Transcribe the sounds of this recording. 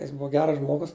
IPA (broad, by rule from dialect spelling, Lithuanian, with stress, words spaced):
jɪs ˈbʊɐ ˈɡʲæːrɐs ˈʒmoːɡʊs